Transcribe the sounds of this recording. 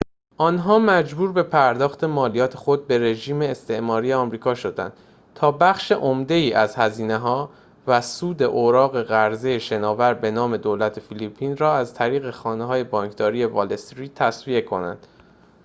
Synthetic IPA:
ʔɒnɦɒːmæd͡ʒbuːɾbe̞pʰæɾd̪ɒːxt̪ʰe̞mɒːlijɒːt̪ʰe̞xo̞d̪̚be̞ɾe̞ʒiːme̞ːst̪ʰe̞ʔmɒːɾijeɒːmɾiːkʰɒːʃo̞d̪æ̰nd̪̥̚ | t̪ʰɒːbæxʃe̞ʔomd̪e̞iːʔæzhæziːne̞ɦɒː | væsuːd̪e̞ʔoɾɒːɣe̞ɣæɾzejeʃe̞nɒːvæɾbe̞nɒːme̞d̪oːlæt̪ʰe̞filipʰːiːnɾɒːæzt̪ʰæɾiːɣe̞xɒːneɦɒːje̞bɒːŋkʰd̪̥ɒːɾiːe̞vɒːlest̪ɾiːd̪̚t̪ʰːæsvie̞kʰo̞̰næ̰nd̪̥

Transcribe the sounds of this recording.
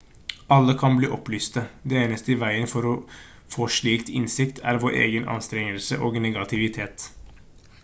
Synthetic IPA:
ɑlːəkʰɑnbliːʔɔplyːst̪əd̪ɛeːnəst̪əɪʋæɪənfɔɾɔ | foːʂɭiːkt̪ɪnsɪkt̪ʰæ̰ɾʋoːɾʔḛːɡənʔɑ̰nst̪ɾɛŋəlsəʔoːɡnɛɡɑt̪ʰɪʋɪt̪ʰeːt̪

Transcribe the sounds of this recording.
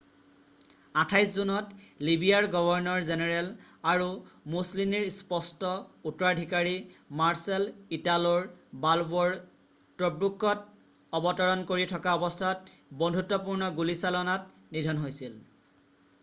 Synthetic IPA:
atʰajszunɔtlibʱijaɹɡɔbʱɔɹnɔɹzenɛɹɛlaɹumuslimiɹspɔstɔutɹadʱikaɹimaɹsɛlitalɔɹbalbɔɹ | tɹɔbɹukːɔt | ɔbɔtɔɹɔnkoɹitʰɔkaɔbɔstʰɔtbɔndʱutːɔpuɹnɔɡulisalɔnat | nidʱɔnɦojsil

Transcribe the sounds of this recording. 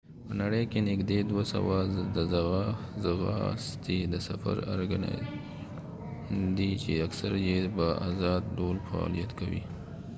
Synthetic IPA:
pənaɽəjkenɪkd̪ed̪wasa̰wad̪əzaɣa | zaɣɑ̰st̪id̪əsafa̰ɾaɾɡana̰ | d̪it͡ʃeaksaɾjebaʔazɑd̪̚ɖolfaɑ̰lijat̪kawḭ

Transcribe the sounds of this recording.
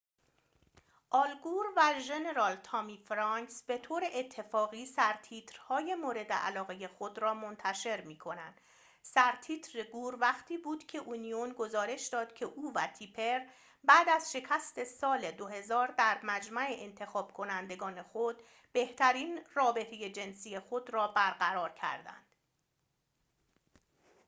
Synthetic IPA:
ʔɒːlɡuːɾvæʒe̞ne̞ɾɒːlt̪ʰɒmiːfɾɒŋksbe̞t̪ʰoːɾeʔːt̪ʰːe̞fɒːɣiːsæɾt̪ʰiːt̪ʰɾhɒːje̞moːɾe̞d̪ḛʔæ̰lɒːɣe̞je̞xo̞d̪ɾɒːmo̞nt̪ʰæʃe̞ɾmiːkʰo̞nænd̪ | sæɾt̪ʰiːt̪ʰɾeɡuːɾvæχt̪ʰiːbuːd̪̥cʰe̞ʔunijonɡo̞zɒːɾe̞ʃd̪ɒːd̪̥cʰe̞ʔuːvæt̪ʰipʰe̞ɾ | bæːd̪æzʃe̞cʰæst̪ʰe̞sɒːle̞d̪o̞ɦe̞zɒːɾd̪æɾmæd͡ʒmæe̞ʔent̪ʰe̞xɒːb̥kʰo̞nænd̪e̞ɡɒːne̞xod̪̥ | b̥e̞ht̪ʰæɾiːnrɒːbe̞t̪ʰe̞je̞d͡ʒe̞nsiːje̞xod̪rɒːbæɾɢæɾɒːɾcʰæ̰ɾd̪æ̰nd̪̥

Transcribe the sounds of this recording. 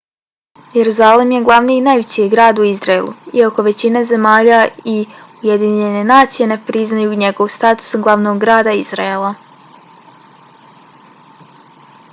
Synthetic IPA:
je̞ɾuzalimje̞ɡlˠaʋniːinaːjʋet͡ɕijeɡɾaːd̪uizɾaelṵio̞ko̞ʋe̞t͡ɕinaze̞maːʎaiuje̞d̪iɲe̞ne̞naːt̪sije̞ne̞pɾiznajuɲe̞ɡo̞ʋost̪aːt̪u̥sɡlˠaʋno̞ɡɡɾaːd̪aiz̥ɾaelˠa

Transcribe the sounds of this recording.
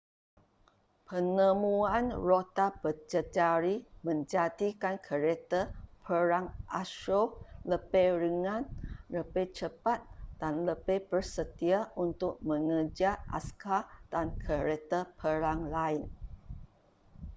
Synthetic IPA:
pʰənəmuanrot̪apət͡ʃəd͡ʒaɾimə̃ɲd͡ʒat̪ikankʰəɾet̪əpʰəɾaŋʔaʃoləbeɾəŋãnləbet͡ʃəpat̪̚d̥anləbebərsət̪iaunt̪ʊk̚mə̃ŋəd͡ʒaʔa̰skad̥ankʰəɾet̪əpʰəɾaŋlaɪn

